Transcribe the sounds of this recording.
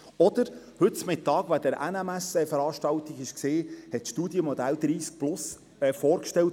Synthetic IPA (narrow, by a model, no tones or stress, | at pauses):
ɔd̥̪əɾ | hɵt̚t͡smɪtːɑːɡ̥ʋad̥̪ɛɾʔæ̰nɛmæsɛfəɾɑːʃtɑlt̪iɡɪʃkseːhɛtʃtuːdjəmɔd̪æld̪̥ɾiːsk̚plʊs | ɛfɔːɾkʃtɛlt